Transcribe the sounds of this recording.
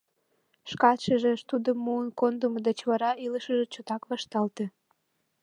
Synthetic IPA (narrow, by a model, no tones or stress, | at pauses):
ʃkɑt̪ʃəʒeʃt̪ud̪əmːuənkond̪əməd̪et͡ɕβɑɾɑiləʃə̆ʒĕt͡ɕot̪ɑkβɑʃt̪ɑlt̪ĕ